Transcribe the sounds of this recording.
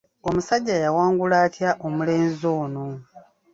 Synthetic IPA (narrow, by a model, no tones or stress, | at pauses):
omusaɟːajawaːŋɡulaːtjaʔomule̞ːnzo̞ːno̞